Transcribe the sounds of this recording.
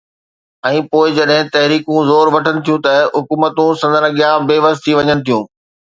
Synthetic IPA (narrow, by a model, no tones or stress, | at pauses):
ɛ̃ːpoːɪd͡ʑɐɗɦɪ̃t̪ɐɦɾiːkũzoːɾʋɐʈʰənɪ̆t̪ʰijũt̪ɐɦʊkuːmət̪ũsɐ̃nd̪əɾɐɠijabeːʋəzt̪ʰiʋɐɲənɪ̆t̪ʰijũː